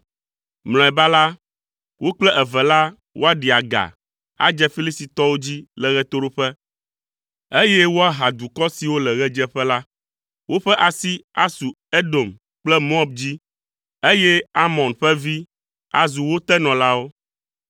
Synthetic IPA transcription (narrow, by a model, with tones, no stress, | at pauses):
ml̃ɔ̃˨ɛ˨ba˦la˦ | wo˦k͡plɛ˦ʔɛ˨vɛ˨la˦ | wʔo˦a˦ɖi˨a˨ɡa̰˨ | a̰˦d͡ʒɛ˦fi˦li˦si˨t̪ɔ˦wo˦d͡ʑi˦lɛ˨ɣɛ˦t̪o˦ɾo˦ɸɛ˦ | e˦jɛ˦wo˦a˦ɦa˨d̪u˨kɔ˦si˨wo˦lɛ˨ɣɛ˦d͡ʒɛ˦ɸɛ˦la˦ | wo˦ɸɛ˦ʔa˨si˦a˦su˨ | e˦do˨m | k͡plɛ˦mo˦ɔ˦b̚d͡ʑi˦ | e˦jɛ˦a˦mɔ̃˨nɸɛ˦vi˦ | a˨zu˨wo˦t̪ɛ˦nɔ̃˨la˦wo˦